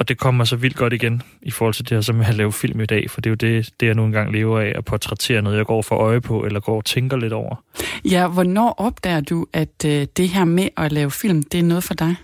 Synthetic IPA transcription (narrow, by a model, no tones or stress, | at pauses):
ɒ̽d̥e̝kʰɒ̽m̰masɒ̽ʋil̰d̥̚ɡ̥ɒ̽ɾ̥iɡ̥en | ifɔːhɒlt͡sʰe̝d̥e̝hæɐsɒ̽meælɛːʊfil̰mid̥ɛ̰ːfɒd̥e̝jo̝d̥e̝d̥e̝jɑ̈ɪnuːn̩ɡ̥ɑ̈ŋ̰leːʊɐɛæpʰɒt͡sʰʁɛt͡sʰe̝̰ːɐnɔð̩ˠjɑɡ̥ɒ̰ːfɒʔɒ̽ɪəpʰɒ̽ʔelɐɡ̥ɒ̰ːt͡sʰeŋɡ̥ɐle̝dɾɒʊ̰ʔɐjæʋɒnɒ̰ːʔɒ̽b̥̚d̥ɛ̰ːɐd̥uæd̥e̝ɦæɐ̰meʔʔɒlɛːʊfil̰md̥e̝æɐnɔ̽ːð̞̩ˠfɒ̽d̥ɑ̈ɪ